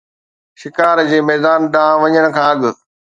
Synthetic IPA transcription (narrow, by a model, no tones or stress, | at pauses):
ʃɪkaːɾd͡ʑeːmɛːd̪aːnɗãːʋɐɲəɽ̃ʊ̆kʰãːɐɠ̆